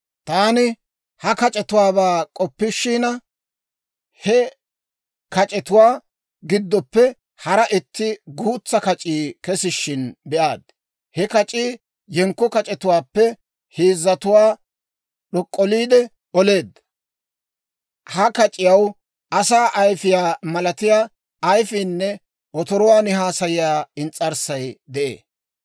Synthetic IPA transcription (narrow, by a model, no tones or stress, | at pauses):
t̪aːnɪ | hɐkɐt͡ʃʼɛt̪ʊwaːbaːkʼɔpːɪʃːiːnɐ | hɛ | kɐt͡ʃʼɛt̪ʊwaː | ɡɪd̪ːɔpːɛ | hɐɾɐʔɪt̪ːɪɡuːt͡sːɐkɐt͡ʃʼiːkɛsɪʃːɪnbɛʔaːd̪̚ | hɛkɐt͡ʃʼiː | jɛŋkːɔkɐt͡ʃʼɛt̪ʊwaːpːɛ | hiːzːɐt̪ʊwaː | ɗɔkʼːɔliːd̪ɛ | ɔle̞ːd̪ | hɐkɐt͡ʃʼɪjɐw | ʔɐsaːʔɐjfɪjaːmɐlɐt̪ɪjaː | jfiːnːɛ | ʔɔt̪ɔɾɔwaːnɪɦaːsɐjɪjaːɪnt͡sʼːɐɾsɐjd̪ɛʔḛː